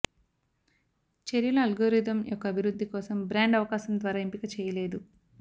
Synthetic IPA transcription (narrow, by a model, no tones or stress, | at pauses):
t͡ʃeɾjɐlɐːlɡoːɾid̪ɐmjʔɔkːɐːbʱiɾud̪ːikɔːsɐmbɾaːɳɖɐʋɐkaːsɐmd̪ʋaːɾaːimpikɐt͡ʃɛːjɐle̞ːd̪u